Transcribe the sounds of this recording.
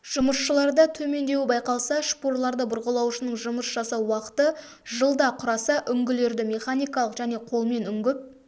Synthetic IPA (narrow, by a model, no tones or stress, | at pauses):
ʒ̥ʊməsʃəlˠɑɾd̪ət̪ʰɵme̞nd̪e̞wɪbɑjqɑlˠsɑʃpoɾlˠɑɾd̪əbʊɾʁəlˠɑwʃənəɴʒʊməsʒɑsɑwwɑqə̥t̪ə | ʒəlˠd̪ɑqʰʊɾɑsɑʔʏŋɡʲɪle̞ɾd̪ɪmʲe̞χanijkɑlˠəqʒæne̞qʰo̞lˠme̞nʏŋɡʲɪp̚